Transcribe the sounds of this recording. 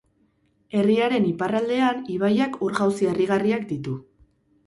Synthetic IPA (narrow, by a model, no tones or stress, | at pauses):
e̞riaɾe̞niparald̪e̞aniβ̞ajakuɾɣawsieriɣariak̚d̪it̪u